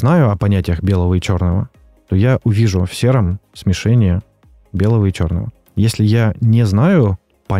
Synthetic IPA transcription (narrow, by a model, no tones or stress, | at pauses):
znajʊɐpɐnʲætʲɪjəxbʲe̞lˠəvəit͡ɕo̞rnəvə | t̪o̞jaʔʊvʲiʐʊfsʲeɾəmsʲmʲɪʂɛnʲɪjə | bʲe̞lˠəvəit͡ɕo̞̰rnə̰və̰ | jesʲlʲɪjanʲɪznajʊ | pɐ